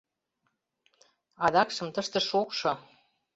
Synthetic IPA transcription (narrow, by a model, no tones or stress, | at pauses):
ɑd̪ɑkʃɤ̆mt̪əʃt̪ə̆ʃokʃŏ